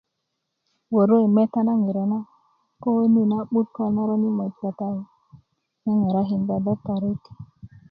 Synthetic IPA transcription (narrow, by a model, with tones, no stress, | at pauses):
wo˨ɾo˦i˨me˦ta˦na˦ŋi˨ɾa˨na˦ | ko˦ni˦na˦ɓu˦t̚ko˦na˦ɾo˦ni˦mo˨tɡa˨ta˦wu˦ | na˦ŋe˨ɾa˦ɦi˨nda˨da˦ka˨ɾe˦ti̥˨